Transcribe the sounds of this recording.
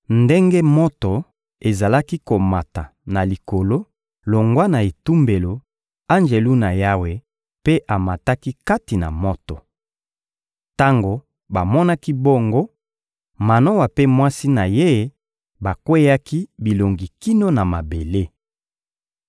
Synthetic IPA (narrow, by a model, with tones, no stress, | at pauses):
nde˦ŋɡe˦mo˦to˨ | e˨za˨la˦ki˦ko˨ma˨ta˨ | na˨li˨ko˨lo˦ | lo˨ŋɡwa˦na˨e˨tu˦mbe˨lo˨ | a˦nd͡ʒe˨lu˦na˨ja˦we˨ | pe˦ʔa˨ma˨ta˦ki˦ka˦ti˨na̰˨mo˦to˨ | ta˦ŋɡo˨ | ba˨mɔ˦na˦ki˦bo˦ŋɡo˦ | ma˨no˦wa˨pe˦mwa˦si˦na˨je˦ | ba˨kwe˦ja˦ki˦bi˨lo˨ŋɡi˨ki˦no˦na˨ma˨be˨le˦